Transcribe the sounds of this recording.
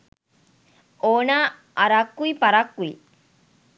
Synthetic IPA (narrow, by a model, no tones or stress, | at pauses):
oːnaː | ʔɐɾakːuipɐɾakːui